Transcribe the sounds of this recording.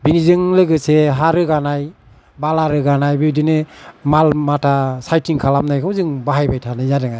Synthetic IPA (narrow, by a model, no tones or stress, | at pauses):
binizɯŋlɯɡɯseɦaɾɯɡanaj | balaɾɯɡanajbiwdinɯmalmatʰasajtʰiŋkʰalamnajkʰɯwzɯŋbaɦajbajtʰanɯjadɯŋaj